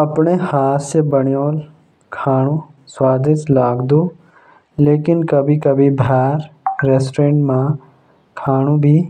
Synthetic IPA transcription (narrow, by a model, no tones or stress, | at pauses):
ɐpɳehaːt̪sebəɳjoːl | kʰaːɽ̃ũ | swaːd̪ɪʃlaːɡd̪ũː | leːkɪnkɐbʱikɐbʱibʱɛːɾɾeːsʈɾẽːɳʈmã | kʰaːɽ̃ũbʱiː